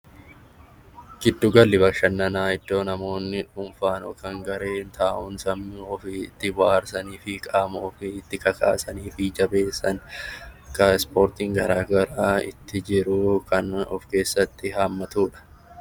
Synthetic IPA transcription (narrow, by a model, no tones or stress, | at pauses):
ɡ̥ɪd̪ːʊɡɐlːɪbɐkʃɐnːɐnaːɪd̪ːo̞ːnɐmo̞ːnːɪᶑʊmfaːnɔ̰kɐŋɡɐɾe̞ːnt̪ʰaːʔʊnsɐmːɪɔfɪt̪ːɪwaːɾsɐniːfɪkʼaːmoːfɪːt̪ːɪkɐkʰa̰ːsɐniːfɪd͡ʒɐbe̞ːsːɐn | kɐɪspo̞ːɾt̪ɪŋɡɐɾaːɡɐɾaːɪ̰t̪ːɪd͡ʒɪɾʊkʰɐnɔ̰fke̞ːsːɐt̪ːɪhaːmːɐt̪uːᶑɐ̥